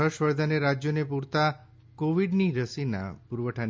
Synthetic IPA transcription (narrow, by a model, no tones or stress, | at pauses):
əʃwɔjd̪ʱaneɾad͡ʒjonepuɾt̪a | koʋiɖniɾəsina̰puɾbəʈʰan